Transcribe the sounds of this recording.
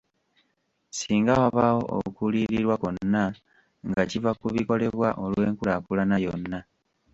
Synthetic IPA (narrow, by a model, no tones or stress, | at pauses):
siːŋɡawaβawo̞o̰ukuliɾiɾwako̞nnːa | ŋɡacivakuβiko̞le̞βwaʔo̞lwe̞ːŋkulakulanajo̞nːa